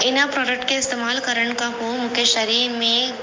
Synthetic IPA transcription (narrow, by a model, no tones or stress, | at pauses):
ɪnapɾɔːɖək̚ʈkeɪst̪emaːlkɐɾəɳkaɦomʊkeʃɐɾiːɾmẽ